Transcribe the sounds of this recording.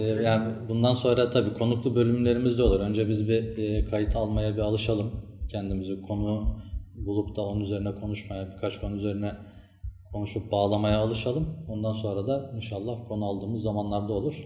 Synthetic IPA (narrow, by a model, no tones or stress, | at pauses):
ɛjaːnbund̪anso̞nɾat̪ʰabiːkʰo̞nuklˠubø̞lʲymlʲe̞ɾimizd̪ɛo̞lˠuɾø̞nd͡ʒɛbizbikʰajit̪ʰalˠmajabialˠɯʃalˠɯm | cʰɛnd̪imizikʰo̞nubulˠupt̪ʰao̞nunyze̞ɾinɛkʰo̞nuʃmajabikʰat͡ʃkʰo̞nuyze̞ɾinɛ | kʰo̞nuʃup̚baːlˠamajaːlˠɯʃalˠɯmo̞nd̪anso̞nɾad̪ainʃalˠːahkʰo̞nualˠd̪ɯːmɯzːamanlˠaɾd̪ao̞lˠuɾ̥